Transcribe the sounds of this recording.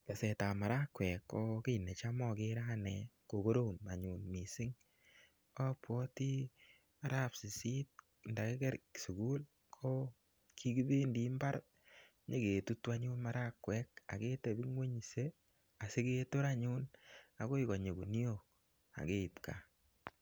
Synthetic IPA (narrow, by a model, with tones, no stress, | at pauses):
ke˨sɛ˨ta˨ma˨ɾa˦kwɛ˨kːɔ˦ke˦˨ne˨t͡ʃamɔ˦˨kɪ˦ɾa˦nɛ˨ko˨ko˦ɾo˦˨ma˨ɲʊ˨nmi˨sɪ˦ŋ | ɔ˦pwɔ˦ti˦ | a˦ɾa˦psi˨si˦t̚ | nda˨ke˦kɛ˦ɾksu˨ɡu˦l | kʰɔ˦ | kʰi˦ɡi˦be˦ndi˦mba˦ɾ | ɲe˦ke˨tu˦twa˦ɲʊ˦nma˨ɾa˦kwɛ˦ka̰˨ke˦te˨bi˦ŋwe˦ɲi˨se˦ | a˨se˦ke˦to˦ɾa˦ɲʊ˦na˨ko˦i˦kɔ˨ɲe˨ku˨ni˦o˦˨k̚ | a̰˨ke˦i˨pka˨